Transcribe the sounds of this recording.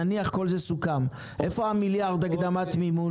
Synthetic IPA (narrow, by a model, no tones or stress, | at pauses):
niaχko̞lzesukam | ʔe̞fo̞amiljaʁd̪aɡd̪amat̪mimu